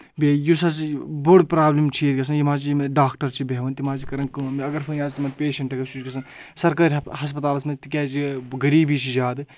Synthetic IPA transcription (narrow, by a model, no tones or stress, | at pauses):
bejusɐt͡sboɽpɾaːblimt͡ʃʰiet̪kɐs̬ʰɐnjimãːt͡ʃijimɐɖaːkʈɐɾt͡ʃʰibʱeːʋɐnt̪imaːt͡ʃikɐɾɐnkɨɐmiɐɡɐɾfʰɐnaːzt̪imɐnpeːʃɐɳʈɐɡɐt͡ʃʰut͡ʃkɐsʰɐn | sɐɾkaːɾʲɦɐs̬pɐt̪aːlɐsmɐt̪ikʲɛːt͡ʃiɡɐɾiːbiːt͡ʃʰid͡ʒaːd̪ɨ